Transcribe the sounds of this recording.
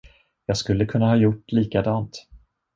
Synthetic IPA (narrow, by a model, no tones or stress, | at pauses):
jɑːɡskɵlːəkʰɵnːahɑːjʊʈːliːkad̪ɑːnt̪